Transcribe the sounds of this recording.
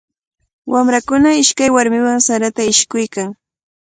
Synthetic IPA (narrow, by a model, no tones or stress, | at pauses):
wamɾakʊnaɪʃkajwaɾmɪwaŋsaɾat̪aɪʃkʊjkaŋ